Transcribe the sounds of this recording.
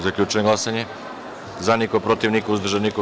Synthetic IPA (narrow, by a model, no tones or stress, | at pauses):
zakʎʲut͡ʃeŋɡlˠasaɲe | zanikopɾot̪iʋnikauzd̪ɾʒaniko